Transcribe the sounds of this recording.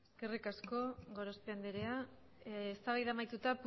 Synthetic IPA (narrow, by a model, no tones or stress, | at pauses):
eske̞rikasko̞ɣo̞ɾospeand̪eɾea | est̪aβajðamajt̪ut̪ap